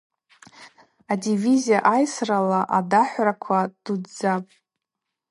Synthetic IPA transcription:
adivizijaʔajsralaʔadaħʷrakʷʰad̥udd͡zapʼ

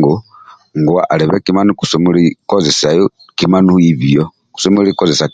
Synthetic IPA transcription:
ɡu | ŋɡuwa̰ʔaleβekimanuku̥sumulikozesajo | kimanuhiβijo | ku̥somulikozesa

